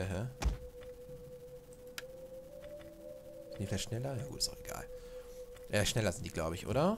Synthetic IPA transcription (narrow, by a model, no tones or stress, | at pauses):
əɦə | ɪntdiflaçtʃnɛlɐjaːɡṵːtsaʊeɡ̥a̰ːl | aʃnɛlɐzɪntd̥iɡ̥laʊbəɪçʔo̰ːɾɐ